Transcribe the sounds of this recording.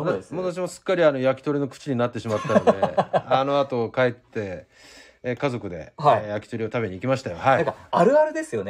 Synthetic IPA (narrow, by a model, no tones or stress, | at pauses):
mot̪aɕ̬imosɨ̥kːaɾʲiano̞jakʲi̥t̪o̞ɾʲino̞kɯ̟̥t͡ɕiɲ̟inat̪ːe̞ɕimat̪ːajode̞ano̞at̪o̞kae̞t̪ːe̞ː | kazo̞kɯ̟d̪e̞̰hjakʲi̥t̪o̞ɾʲio̞t̪abe̞ɲ̟iːkʲimaɕi̥t̪ajo̞haikaaɾɯ̟aɾɯ̟d̪e̞sɨjo̞n